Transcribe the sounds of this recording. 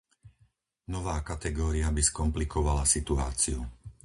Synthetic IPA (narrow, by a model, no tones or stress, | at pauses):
nɔʋaːkat̪ɛɡɔːɾiabiskɔmplikʰɔʋalasit̪ua̰ːt͡siu